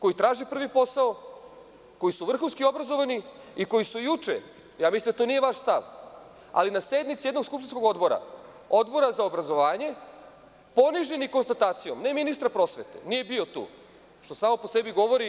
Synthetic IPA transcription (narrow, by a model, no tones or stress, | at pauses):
ko̞jit̪ɾaːʒipr̩ʋipo̞sao | ko̞jisuʋr̩xunskio̞bɾazo̞ʋani | iko̞jisujut͡ʃḛ | jaːmislimd̪at̪o̞ːnije̞ʋaʃst̪aʋ | a̰linase̞d̪mit̪sie̞d̪no̞ɡskupʃt̪insko̞ɡo̞d̪bo̞ɾa̰ | o̞d̪bo̞ɾazaobɾazo̞ʋaːɲe̞ | po̞niʒeniko̞nst̪at̪aːt̪sijomne̞minist̪ɾapɾo̞sʋe̞t̪e̞̰nije̞biot̪ṵː | ʃt̪o̞saːmo̞po̞se̞biɡo̞ʋo̞ɾi